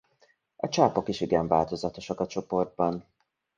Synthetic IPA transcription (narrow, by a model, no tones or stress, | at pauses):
ɒt͡ʃaːpo̞kiʃiɡɛɱvaːlt̪o̞zɒt̪o̞ʃɒkɒt͡ʃo̞po̞rd̪̚bɒn